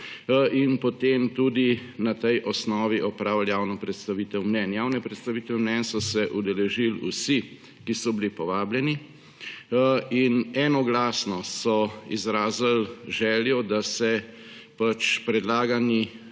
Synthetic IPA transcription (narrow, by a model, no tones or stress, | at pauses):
inpɔt̪emt̪ud̪inat̪ɛjʔɔsnɔːʋiʔɔpɾaːwljaːwnɔpɾɛt̪st̪aʋiːt̪ɛwmnɛnjaːwnɛpɾɛt̪st̪aʋiːt̪ɛmnɛnsɔsɛʔud̪ɛlɛʒilṵsi | kisɔbilipɔʋaːbljɛni | inɛnɔɡlaːsnɔsɔizɾaːzəlʒɛːljɔd̪asɛpat͡ʃpɾɛd̪laːɡani